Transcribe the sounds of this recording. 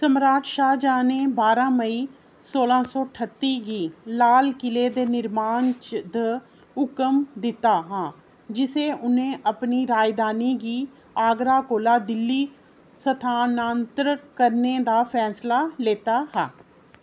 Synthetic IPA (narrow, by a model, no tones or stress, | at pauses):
səmɾaːʈʃaːd͡ʒaːneːbaːɾãːməiː | soːlãːsɔːʈʰət̪ːiːɡiːlaːlkɪleːd̪eːnɪɾmaːnt͡ʃd̪ə | ʊkəmd̪ɪt̪aːɦãː | d͡ʒɪseːʔʊnẽːʔəpniːɾaːjd̪aːniːɡiː | aːɡɾaːkoːlaːd̪ɪlːiː | sət̪ʰaːnaːnt̪ɾəkəɾneːd̪aːpʰɛːslaːleːt̪aːɦaː